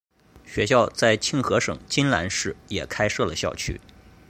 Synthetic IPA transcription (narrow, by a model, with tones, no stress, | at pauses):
ɕɥɛ˧˥ɕjɑ˥˧ʊt͡sa˥˧ɪt͡ɕʰi˥˩ŋxɤ˧˥ʂɤ̰˨˩ŋt͡ɕi˥nla̰˧˥nʂɻ̩˥˩jɛ˨˩kʰa˥ɪʂɤ˥˩lə˩ɕjɑ˥˩ʊt͡ɕʰy̰˥